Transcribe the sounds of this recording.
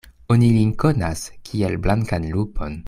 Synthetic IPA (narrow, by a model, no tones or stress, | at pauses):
o̞nilinko̞naskʲʰielblaŋkanlupʰo̞n